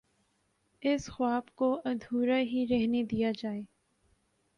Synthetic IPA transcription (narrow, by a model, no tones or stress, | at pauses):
ɪsxʊwaːbkoʔɐd̪ʱuːɾaɦiɾɛɦned̪ijad͡ʒaːeː